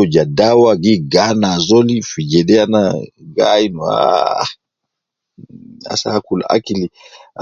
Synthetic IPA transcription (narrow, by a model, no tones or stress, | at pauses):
ɔd͡ʒadawaɡiɡanazɔlifid͡ʒɛdɛana̰ɡa̰inua̰ | a̰sakula̰a̰kili